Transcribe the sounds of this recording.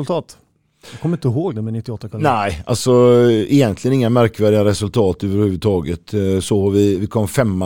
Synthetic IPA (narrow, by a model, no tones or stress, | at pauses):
lt̪ʰɑːt̪ | jɑkʰɔmːɾɪnt̪əɦoːɡd̪ɛmɛnɪt̪ːɪɔt̪ːak̪ʰnæɪʔa̰lsɔɪjɛnt̪lɪɡənɪŋːamæɾkvæːɖɪaɾɛsɵlt̪ʰɑːt̪øːvəɾhʉ̟ːvʉd̪t̪ʰɑːɡət̪sɔvɪvɪkʰɔmːfɛmːa